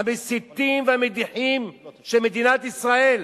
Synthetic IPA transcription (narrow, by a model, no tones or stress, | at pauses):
amesit̪imveamed̪iħimʃelmed̪inat̪isʁael